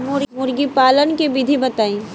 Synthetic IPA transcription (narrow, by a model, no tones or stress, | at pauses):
mʊɾmʊɾɡipaːlənkebid̪ʱibɐt̪aːẽː